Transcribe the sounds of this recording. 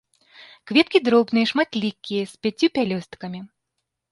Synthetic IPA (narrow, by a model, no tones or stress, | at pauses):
kvʲɛt̪kʲid̪ɾɔbnɨjɛʂmat̪lʲikʲːijɐsʲpʲat͡sʲjupʲalʲɔst̪kɐmʲi